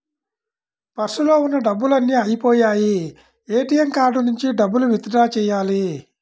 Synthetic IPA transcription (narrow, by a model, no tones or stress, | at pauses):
pɐɾsulo̞ːunːɐɖɐbːulɐnːiɐjipoːjaːji | eːʈijɐmkaːɾɖunuɲt͡ʃiɖɐbːuluʋit̪ɐdaːt͡ʃɛːjaːli